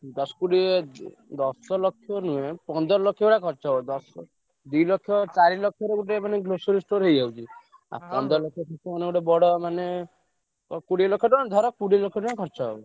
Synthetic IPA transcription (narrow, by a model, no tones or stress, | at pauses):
d̪ɔsɔ̥kuɽie | d̪ɔsɔlɔkʰːjɔnuẽpɔnd̪ɔɾɔlɔkʰːjɔuʈakʰɔɾt͡ʃɔɦbɔd̪ɔsɔ | d̪ujlɔkʰːjɔt͡ʃaɾilɔkʰjɔɾekuʈemaneɡlosɔɾisʈoɾɦejd͡ʒʱawt͡ʃʰi | a̰pɔnd̪ɔɾɔlɔkʰjɔt̪ʰɔkɔɔneɡuʈebɔɽɔmane | ɔkuɽilɔkʰːjɔʈɔd̪ʱɔɾɔkuɽilɔkʰjɔnũekʰɔɾt͡ʃɔɦɔbɔ